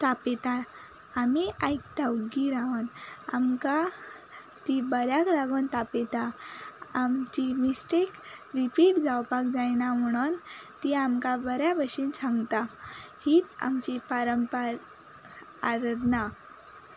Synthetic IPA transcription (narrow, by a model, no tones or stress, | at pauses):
t̪apet̪a | amiʔajk̚t̪auɡiɾaʋənamka | t̪ibəɾjakɾaɡont̪apet̪a | amt͡ɕimisʈekɾipiʈd͡zawpak̚d͡zajnam̤əɽ̃uːnt̪iamkabəɾjabəɕint͡sʰãŋɡt̪ahiːt̪a̰mt͡ɕipaɾəmpəɾ | aɾd̪na